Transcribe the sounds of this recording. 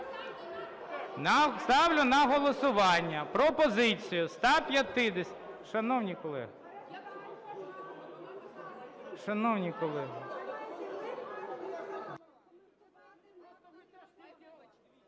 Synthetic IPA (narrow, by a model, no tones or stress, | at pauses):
nɐst̪ɑwlʲʊnɐɦɔlˠɔsʊʋɑnʲːɐpɾɔpɔzɪt͡sʲijʊst̪ɑpʲjɐt̪ɪd̪eʃɐnɔwnʲikɔlˠɛ̰ɦ | ʃɐnɔwnʲikɔlˠɛɦɪ